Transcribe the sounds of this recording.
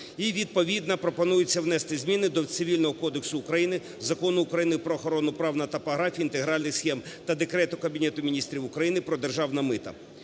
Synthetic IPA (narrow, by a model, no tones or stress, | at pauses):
iʋʲid̪̚pɔʋʲid̪̚nɐpɾɔpɔnujɪt͡sʲːɐwnɛst̪ɪzʲmʲinɪd̪ɔt̪sɪʋʲilʲnɔɦɔkɔd̪eksʊːkɾɐjinɪ | zɐkɔnʊːkɾɐjinɪpɾɔːxɔɾɔnʊpɾɑwnɐt̪ɐpɐɦɾɑfʲint̪eɦɾɑlʲnɪxsxʲɛmt̪ɐd̪ekɾɛt̪ʊkɐbʲinɛt̪ʊmʲinʲist̪ɾʲiwʊkɾɐjinɪpɾɔd̪erʒɑwnɐmɪt̪ɐ̰